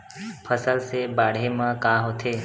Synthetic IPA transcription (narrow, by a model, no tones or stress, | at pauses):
pʰəsəlsebaːɽ̤emãkaɦoːt̪ʰeː